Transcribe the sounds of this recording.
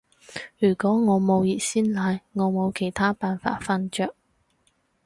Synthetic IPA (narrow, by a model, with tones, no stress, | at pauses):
jyː˨˩kʷɔː˨˥ŋɔː˨˧mo˨˧wjiː˨˩siː˥nlaː˨˧jŋɔː˨˧mo˨˧wkʰe˨˩jt̪ʰaː˥paː˨nfa̰ː˧t̚fɐ˥nt͡ʃœː˧k̚